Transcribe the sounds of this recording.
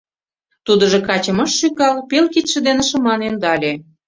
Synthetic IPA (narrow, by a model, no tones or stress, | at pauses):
t̪ud̪ə̆ʒɤ̆kɑt͡ɕə̆mɤ̆ʃːykɑlpelkit̪ʃĕd̪enĕʃə̆mɑnend̪ɑlʲe